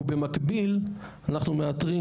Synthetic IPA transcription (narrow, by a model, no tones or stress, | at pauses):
bemakbilanaχnumeat̪ʁi